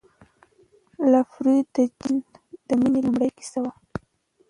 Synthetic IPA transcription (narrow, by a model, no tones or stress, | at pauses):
lafɾid̪əd͡ʒind̪̥əminelumɽəjki̥sawa